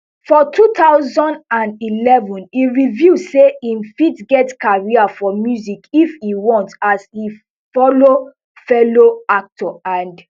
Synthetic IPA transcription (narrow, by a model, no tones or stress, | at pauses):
fɔtʰut̪aʊzɔ̃ndãndilɛvɔ̃niɹivuseĩmfitɡɛtkaɹiafɔmjuzikifiwɔ̃ntasi | fɔlo | fɛloak̚tɔãnd